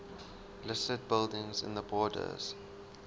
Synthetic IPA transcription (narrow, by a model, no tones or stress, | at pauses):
lɪstəd̚bɪlˠdɪ̃ŋzɪ̰̃nðəbɔːdə̰z̥